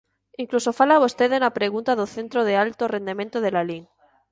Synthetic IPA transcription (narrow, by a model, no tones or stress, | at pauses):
iŋklusofalaβust̪e̞ðenapɾe̞ɣ̞unt̪aðoθe̞nt̪ɾoð̞ealt̪ore̞nd̪emẽnt̪oðelaliŋ